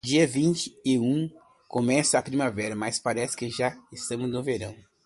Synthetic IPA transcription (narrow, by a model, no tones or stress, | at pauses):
d͡ʒiɐvĩnt͡ʃɪ̥ɪũ | kõmɛsɐːpɾimavɛɾɐmaspaɾɛsɪ̥kɪʒaɪst̪ɐ̃mʊznʊveɾɐ̰̃w̃